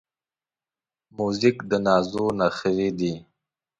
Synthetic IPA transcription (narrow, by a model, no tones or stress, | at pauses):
muzɪkd̪ənɑːzonaxəɾid̪i